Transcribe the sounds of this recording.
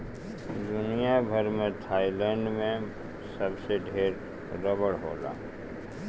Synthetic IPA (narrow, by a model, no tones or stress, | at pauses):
d̪ʊnijabʱɐɾmẽt̪ʰaːilɛ̃ːɳɖmẽ | sɐbseɖʱeːɾ | ɾɐbəɽɦo̰ːla̰ː